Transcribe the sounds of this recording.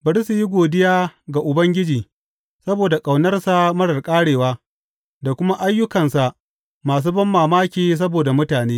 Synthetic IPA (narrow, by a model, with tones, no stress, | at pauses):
bɐ˨ɾi˦su˨ji˦ɡʷoː˨dɪ˦jaː˦ɡa˨ʔʊ˨bɐ˦ŋɡʲɪ˦d͡ʒiː˨ | sɐ˦boː˨da˨kʼa˨wnɐ˦rsa˨mɐ˦ɽɐ˨rkʼaː˦ɽeː˨waː˦ | da˨kʷʊ˦ma˦ʔa˦jːʊ˦kɐ˨nsa˨ʔ | maː˨s̬uː˦bɐ˦mːaː˨maː˦kʲeː˨s̬ɐ˦boː˨da˨mʊ˦taː˨neː˦